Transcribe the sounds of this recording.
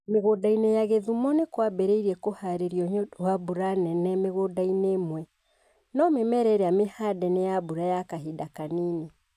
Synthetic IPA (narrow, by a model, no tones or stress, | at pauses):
meɣodainejaɣeðumɔnekwabɛɾeiɾɛkohaɾeɾiɔɲowabuɾanɛnɛmeɣodainemwɛ | nɔmemɛɾɛɾɛamehadɛnejabuɾajakaɦidakaniːne